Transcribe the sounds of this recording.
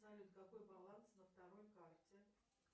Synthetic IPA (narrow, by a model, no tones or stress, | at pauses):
najʊt̪kɐko̞jbɐlˠansnəft̪ɐɾo̞jkartʲɪ